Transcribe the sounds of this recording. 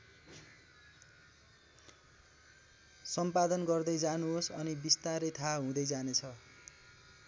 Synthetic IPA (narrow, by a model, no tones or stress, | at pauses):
sʌmpad̪ʌnɡʌrd̪ʌjd͡zanuɦosʌnibist̪aɾʌjt̪ʰaɦũd̪ʌjd͡zanet͡sʰʌ